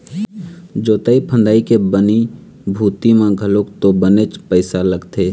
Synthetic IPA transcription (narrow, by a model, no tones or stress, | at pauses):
d͡ʒoːt̪aːipʰə̃nd̪aːikebəni | bʱuːt̪imãɡʱəlokt̪obənet͡ʃpəɪsaləɡt̪ʰeː